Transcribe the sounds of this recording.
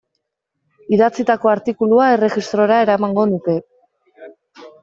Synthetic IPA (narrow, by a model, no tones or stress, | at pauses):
iðat͡sit̪ako̞aɾt̪ikuluae̞re̞xist̪ɾo̞ɾae̞ɾamaŋɡo̞nut̪e̞